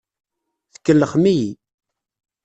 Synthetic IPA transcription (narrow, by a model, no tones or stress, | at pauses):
θə̥kːəlːəχmiji